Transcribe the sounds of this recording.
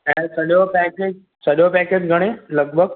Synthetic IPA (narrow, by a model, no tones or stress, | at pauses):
ɛ̃ːsɐɗopɛːkeːd͡ʑ | sɐɗopɛːkeːd͡ʑɡʱɐɽ̃elɐɡ̚bʱəɡ̚